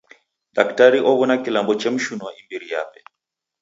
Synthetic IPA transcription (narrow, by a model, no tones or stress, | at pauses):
ɗaktaɾiʔɔβɔnakilambɔt͡ʃɛm̩ʃunwaimbiɾija̰pɛ̥